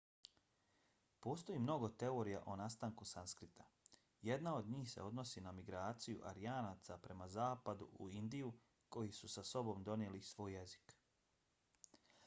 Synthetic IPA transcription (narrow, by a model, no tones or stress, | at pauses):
po̞ːst̪ojiːmno̞ɡo̞t̪e̞o̞ɾija̰ʔonast̪aŋkusanskɾit̪ʰa | je̞d̪nao̞d̪ɲiːxse̞̰o̞d̪no̞sinamiɡɾaːt̪sijṵʔa̰ɾijaːnaːt̪sapɾe̞mazaːpad̪ṵʔuind̪iju | ko̞jisusaso̞bo̞md̪o̞nelisʋo̞ːjːe̞zi̥k